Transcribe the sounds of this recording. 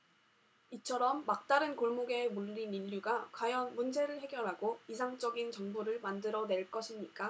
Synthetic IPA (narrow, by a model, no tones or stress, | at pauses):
it͡ɕʰʌɾʌmːak̚t͈aɾɯnkoɭmoɡe̞muʎːiniʎːuɡakwajʌnmund͡ʑe̞ɾɯɭhe̞ɡjʌɾɦaɡoisʰaŋt͡ɕ͈ʌɡint͡ɕʌŋbuɾɯɭmandɯɾʌne̞ɭk͈ʌɕʰimɲik͈a